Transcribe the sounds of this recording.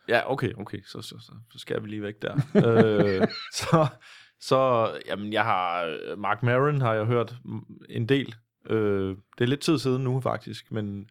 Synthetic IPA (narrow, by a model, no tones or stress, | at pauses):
jæʔoʊkʰeɪʔoʊkʰeːsɒ̽sɒ̽sɒ̽sɒ̽sɡ̥æjɐʋiliːʋeɡ̥̚d̥æɐ̰ø | sɒ̽ | sɒ̽jæmenjɑ̈ɪɦɑ̈mɑ̈ːɡ̥mæʁinɦɑ̈jɑ̈ɪɦøɐ̰d̥e̝nd̥e̝̰ːl | ʔød̥e̝æɐled̥̚t͡sʰið̞̰ˠsiːð̞ˠn̩nːufɑ̈ɡ̥̚d̥isɡ̥men